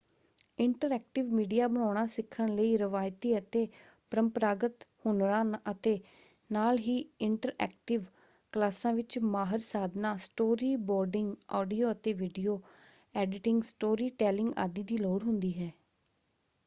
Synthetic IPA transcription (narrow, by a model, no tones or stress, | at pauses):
ɪɳʈəɾɛːk̚ʈɪʋmiːɖijaːbəɳ̃aːɽ̃ãːsɪkʰːəɳləiːɾəʋaːjt̪iːət̪eː | pəɾəmpɾaːɡət̪hʊnɾãːət̪eː | naːlɦiːɪɳʈəɾɛ̰ːk̚ʈɪʋ | klaːsãːʋɪt͡ʃmaːɦəɾsaːd̪nãːsʈoːɾiːbɔːɾɖɪŋɡɔːɖioːət̪eːʋɪɖijoː | ɛːɖɪʈɪ̃ŋɡsʈoːɾiːʈɛːlɪŋɡa̰ːd̪iːd̪iːloːɾɦʊnd̪iːɦɛː